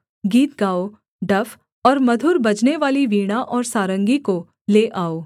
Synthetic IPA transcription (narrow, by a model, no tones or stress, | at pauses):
ɡiːt̪̚ɡaːo | ɖɐfʰ | ɔːɾmɐd̪ʱuːɾbɐd͡ʒneʋaːliʋiːɽ̃aʔɔːɾsaːɾə̃ŋɡiko | leːʔaːoː